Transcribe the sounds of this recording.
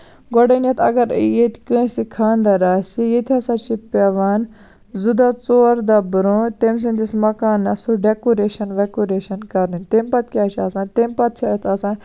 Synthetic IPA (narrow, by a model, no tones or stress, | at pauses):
ɡɔɖɐnɐt̪ʰɐ̰ɡɐɾjet̪ʰʲkə̃ːsikʰaːnd̪ɐɾaːsijet̪ʰiɐsãt͡ʃipeʋaːn | zud̪at͡soːɾd̪abɾut̪ems̬ĩnd̪ismɐkaːnːɐsuɖekoɾeːʃɐnʋekoɾeːʃɐnkɐɾnɨnʲt̪empɐt̪kʲaːt͡ʃʰɐsãːt̪empɐt̪̚t͡ʃʰat̪ʰɐsãː